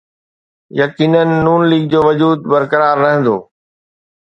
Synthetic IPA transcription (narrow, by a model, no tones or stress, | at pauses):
jɐkiːnənɪ̆ːuːnliːɡ̚d͡ʑoːʋɐd͡ʑuːd̪̚bɐɾkəɾaːɾːɐɦɪ̃nd̪oː